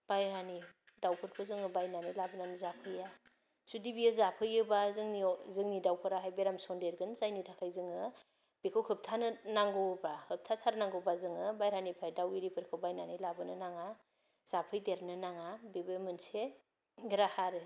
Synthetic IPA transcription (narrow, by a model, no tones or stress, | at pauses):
b̥ajɾani | dawpʰɯɾkʰɯzɯŋɯbajnanɯjlabɯnanɯzapʰɯja | sudibiazapʰɯjɯbazɯŋnizɯŋnidawpʰɯɾaɦajbeɾamsɔndeɾɡɯnzajnitʰakʰajzɯŋɯ | b̥ikʰɯwhɯp̚tʰanɯnaŋɡɯwbɾahɯp̚tʰatʰaɾnaŋɡɯwbazɯŋɯbajɾanipʰɾajdawiɾipʰɯɾkʰɯwbajnanɯjlabɯnɯnaŋa | z̥apʰɯjdeɾnɯnaŋabibɯmɯnse | ɡɾahaɾɯ